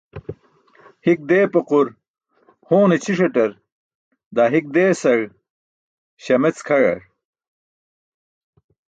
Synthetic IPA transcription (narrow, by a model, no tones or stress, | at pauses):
hik̚d̪eːpɐquɾ | hoːnet͡ɕʰiʂɐʈɐɾ | d̪aːɦik̚d̪eːsɐɻ | ɕɐmet͡skʰɐɻɐ̰ɾ